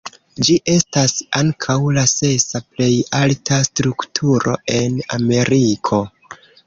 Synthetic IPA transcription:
d͡ʒiʔe̞stasaŋkʰawlase̞saple̞jaltʰastɾuktʰuɾʔo̞̰e̞na̰me̞ɾikʰo̞

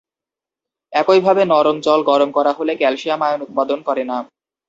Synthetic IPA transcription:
ɛkojbʱabenɔɾomt͡ɕɔlɡɔɾomkɔɾaɦolekɛlʃiamajonut̪̚pad̪onkɔɾena

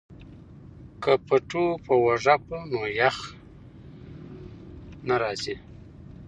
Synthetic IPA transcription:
kʰəpaʈopəwaʐapunojax | naɾɑzi

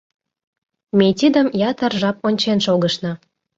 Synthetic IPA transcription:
mejt̪ʲid̪əmjɑt̪ərʒɑp̚onʲt͡ɕenʃoɣəʃnɤ̆

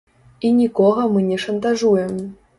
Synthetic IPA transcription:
inʲikɔɣɐmɨnʲɛʂɐnt̪aʐujɛm

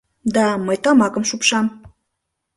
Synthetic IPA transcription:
d̪ɑməjt̪ɑmɑkəmʃupʃɑm

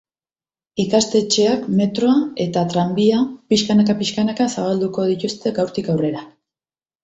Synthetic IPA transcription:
ikast̪e̞t͡ʃe̞akme̞t̪ɾo̞ae̞t̪at̪ɾambiapiʃkanakapiʃkanakasaβ̞ald̪uko̞ð̞it̪ust̪e̞ɡawɾt̪ikawre̞ɾa

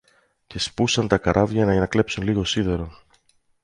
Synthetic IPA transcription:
ce̞spusɐnt̪ɐkɐɾʔɐvʝɐnɐenɐkle̞psunliɣo̞siðe̞ɾo̞

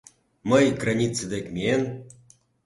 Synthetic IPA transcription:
məjɡranʲit͡sɨd̪ekʲmʲen

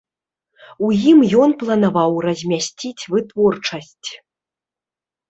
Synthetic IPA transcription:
ujimjɔnplˠɐnavawrɐzʲmʲasʲt͡sʲit͡sʲvɨt̪vɔrt͡ʂɐsʲt͡sʲ

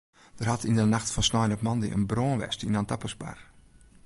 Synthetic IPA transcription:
d̥ərhatʰindənaxtfɔnsnɔjnɔpmɔndḭʔə̰nbroːnʋɛ̰stinantapəsba̰r

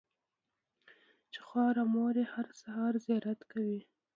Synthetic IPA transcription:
t͡ʃe̥xwɑɾamoɾehaɾsahɑɾzjɑɾat̪kawi

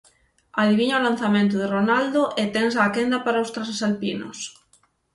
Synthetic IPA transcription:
aðiβiɲaolan̟θamẽnt̪̬oðeronald̪oʔet̪ensaːkend̪apaɾaost̪ɾasesalpino̰s

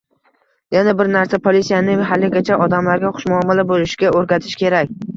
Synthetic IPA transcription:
janabɪɾnaɾsapʰolisijanɪɦalɪɡʲat͡ʃʰaʔɒd̪amlaɾɡʲaχʊ̥ʃmʊɒmɪlabolɪʃɪɡʲaʔoɾɡʲat̪ʰɪ̥ʃkʲe̞ɾakʲ

